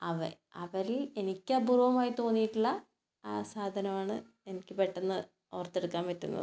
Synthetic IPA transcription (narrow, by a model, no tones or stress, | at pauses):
ɐʋɐ̰ | ɐʋɐɾile̞nikʲːaːburɐʋɐmaːjit̪o̞ːnːijiʈːuɭːɐ | aːsaːd̪ʱɐnɐmaːɳɨ | enikʲːɨpe̞ʈːenːɨ | oːrt̪ːeɽukːaːmʋetːṵnːɐ̰ð